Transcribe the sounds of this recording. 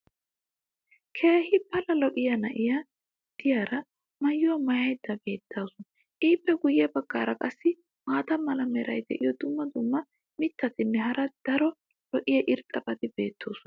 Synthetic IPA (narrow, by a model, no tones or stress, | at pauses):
kʰe̞ːhɪpɐlɐlɔʔɪjɐnɐʔɪjɐ | d̪̥ɪjaːɾɐ | mɐjːʊwɐmɐjɐjd̪ɐbe̞ːt̪ːaːsɔn | ʔiːpːɛɡʊjːɛbɐɡːaːɾɐkʼɐsːɪ | maːt̪ɐmɐlɐmɛɾɐ̰jd̪ɛ̰ʔɪjɔd̪ʊmːɐd̪ʊmːɐ | mɪt̪ːɐt̪ɪnːɛɦɐɾɐd̪̥ɐɾɔ | lɔʔɪjɐʔɪɾt̪ʼːɐpʼɐt̪ɪbe̞ːt̪ːo̞ːsʊn